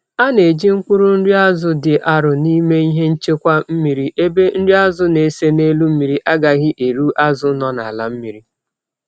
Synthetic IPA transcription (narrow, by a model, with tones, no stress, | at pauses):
a˦ne˨d͡ʒi˦ŋ̩˦kʷu˦ɾu˦n̩˦ɾi˦a˦zʊ˦dɪ˨ʔa˨ɾʊ˨ni˦me˦i˦ɦe˦n̩˦t͡ʃe˦kʷa˦m̩˦mi˨ɾi˦ʔe˦be˦n̩˦ɾi˦a˦zʊ˦ne˨se˦ne˦lu˦m̩˦mi˨ɾi˦ʔa˦ɡa˨ɣɪ˦ʔe˨ɾu˦ʔa˦zʊ˦nɔ˦na̰˨la˦m̩˦mi˨ɾi˦